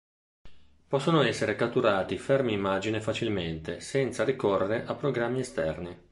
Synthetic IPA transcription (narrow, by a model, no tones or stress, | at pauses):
pɔsːonoɛsːeɾekat̪ːuɾaːt̪ifermiːmːad͡ʒinefat͡ʃilment̪esɛnt̪saɾikorːeɾeʔapːɾoɡɾamːiest̪ɛrni